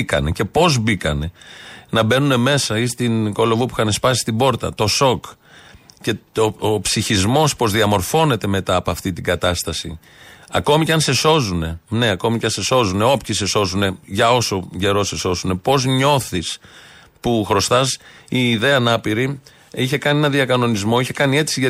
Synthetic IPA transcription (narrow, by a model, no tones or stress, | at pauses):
ikɐ̰ne̞ce̞po̞zbikɐne̞nɐbe̞nune̞me̞sɐist̪inko̞lo̞vupu̥xɐne̞spɐsi̥st̪ibo̞ɾt̪ɐ̰t̪o̞so̞k | ce̞oopsiçizmo̞spo̞zðiɐmo̞ɾfo̞ne̞t̪e̞me̞t̪ɐːpoɐft̪it̪iɡɐt̪ɐst̪ɐsi | ɐko̞micɐnse̞so̞zune̞ne̞ɐko̞miceɐnse̞so̞zune̞o̞pçise̞so̞zune̞ʝɐo̞so̞ɟe̞ɾo̞se̞so̞zune̞po̞zɲo̞θis | puxɾo̞st̪ɐsiːðe̞ɐːnɐpiɾi | içe̞kɐnienɐðiɐkɐno̞nizmo̞içe̞kɐnie̞t̪i̥siʝɐ